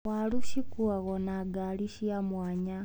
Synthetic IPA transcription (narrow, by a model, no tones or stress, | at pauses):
waluʃikuaɣonaɡaliʃiamwaːɲa